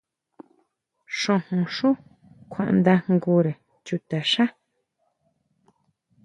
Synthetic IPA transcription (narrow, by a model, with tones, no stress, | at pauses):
ʂõ˧hũ˨ʂũ˦ | kʷʰã̰˨ʔnd̪a˧ŋŋɡu˧ɾe˨ | t͡ʃu˧t̪a˨ʂã˦